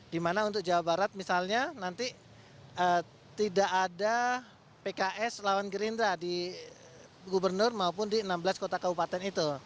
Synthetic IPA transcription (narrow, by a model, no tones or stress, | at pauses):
dimanaunt̪̬ʊk̚d͡ʒawabaɾat̪̚misalɲanant̪i | ə | t̪idaʔada | pekaʔɛslawanɡəɾindɾadi | ɡubərnʊrmaupʊndiənambəlaskot̪akabupat̪ɛnit̪u